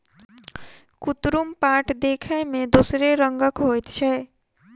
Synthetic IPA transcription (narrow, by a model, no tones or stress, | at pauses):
kut̪ɾumpaːʈʰd̪eːkʰəmẽd̪usɾeɾəŋɡəkɦojt̪t͡ʃʰɛ